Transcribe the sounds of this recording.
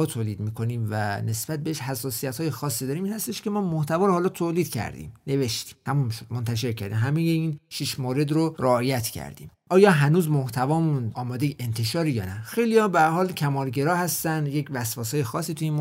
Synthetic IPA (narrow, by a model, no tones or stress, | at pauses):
t̪ʰoːliːd̪miːkʰo̞niːmvæne̞sb̥æt̪̚beeʃhæsːɒːsijæt̪hɒːjexɒːsːid̪ɒːɾiːmiːnhæst̪e̞ʃke̞mɒːmoht̪ʰævɒːɾohɒːlɒt̪ʰoːliːd̪̥cʰæ̰ɾd̪ḭːmne̞ve̞ʃt̪i̥mt̪ʰæmumʃod̪mont̪ʰæʃ̬e̞ɾkcʰæ̰ɾd̪ḭmɦæmejeinʃiʃmoːɾe̞d̪ɾoɾeɒːjæt̪ʰcʰæ̰ɾd̪ḭːmʔɒːjɒːɦænuːzmoht̪ʰævɒːmunɒːmɒːd̪ejʔent̪ʰe̞ʃɒːɾijɒ̰ːnæxejlijɒbeæɾhɒːlkʰæmɒːlɡe̞ɾɒːhæst̪ænd̪je̞cvæsvɒːsɒːjexɒːsːiːt̪ʰujinm